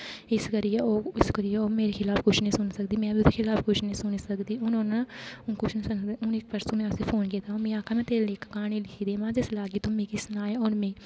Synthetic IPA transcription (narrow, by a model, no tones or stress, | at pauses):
ɪskəɾijeoːɪskəɾijeoːmeːɾeːkʰɪlaːpkʊt͡ʃʰnəĩːsʊnsəkd̪iːmɛ̃ːbiʊseːkʰɪlaːpkʊt͡ʃʰnəĩːsʊniːsəkd̪iːʊnonaʊnkʊt͡ʃʰnĩːsʊnd̪iʊnɪk̚pəɾsõmɛ̃ːʊsiːpʰoːnkiːt̪aːɦõːmẽːaːkʰãːmɛ̃ːt̪eːleːkːkaːnẽːlɪkʰiːd̪eːmãːd͡ʒɪslaːɡit̪õmẽːkisʊnaːjeɔːɾmẽː